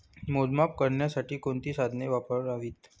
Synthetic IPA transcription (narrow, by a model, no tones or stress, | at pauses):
molmap̚kəɾɳjasaʈiːkoɳt̪iːsad̪ʱneʋapəɾaʋiːt̪